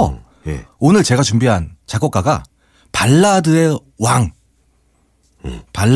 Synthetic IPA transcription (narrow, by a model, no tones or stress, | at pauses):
onɯɭt͡ɕe̞ɡat͡ɕumbiɦant͡ɕaɡok͈aɡa | paɭːadɯe̞ | waŋ | paɭː